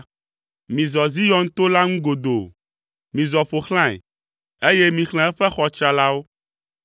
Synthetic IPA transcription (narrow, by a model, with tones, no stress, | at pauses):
mĩ˨zɔ˨zi˦jɔ˦n˦t̪o˦la˦ŋũ˦ɡo˨d̪o˨ | mĩ˨zɔ˨ɸo˨xlã˦˨ɛ̰˨ | e˦je˦mĩ˨xl̃ɛ̃˦ɛ˦ɸɛ˦xɔ˨t͡ʃɾa˨la˦wo˦